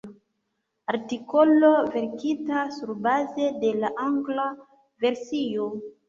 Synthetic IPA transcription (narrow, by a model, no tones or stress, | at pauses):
aɾtiko̞lo̞ve̞ɾkitasuɾbaze̞de̞laʔaŋɡla | ve̞ɾsijo